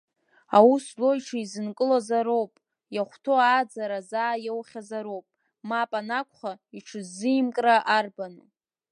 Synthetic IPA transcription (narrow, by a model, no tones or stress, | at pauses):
awuslojʈ͡ʂʰaizɨnkʼɨlazaɾo̞wpʼ | jaχʷtʰo̞ad͡zaɾazaːjewχʲazaɾowpʼ | mapʼanakʷʰʼχaiʈ͡ʂʰɨzːɨjmkʼraʔarbanɨ